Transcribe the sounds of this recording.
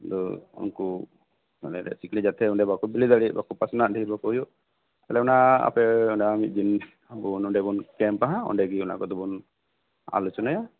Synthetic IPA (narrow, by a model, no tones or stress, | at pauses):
d̪ɔṵnku | ɛ̰lɛɾɛ̰siklid͡ʒat̪ʰɛuɳɖɛbakubilid̪aɽibakupasɔnaʔ̚diiɾbakujuʔ | ɛlɛunaa̰pɛɔnɖaamit̪̚d͡ʒin | bunɔɳɖɛbunkɛmpaɦãɔ̰ɳɖɛɡiuna̰kɔd̪ɔbun | a̰lut͡ʃɔnaja